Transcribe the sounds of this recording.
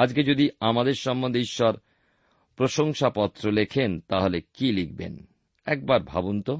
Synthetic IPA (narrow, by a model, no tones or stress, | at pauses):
ad͡ʑked͡ʑod̪iamad̪eɾʃɔmbond̪eiʃːɔɾ | pɾoʃoŋʃapɔt̪ːɾolekʰent̪aɦolekilik̚bḛn | ɛk̚baɾbʱa̰bunt̪o